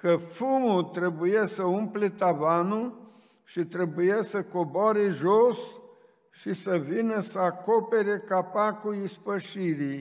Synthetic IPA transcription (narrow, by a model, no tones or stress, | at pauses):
kəfumut̪ɾebujesəumplet̪avanu | ʃit̪ɾebujesəkoboaɾeʒos | ʃisəvinəsəako̞peɾekapakuispəʃiɾi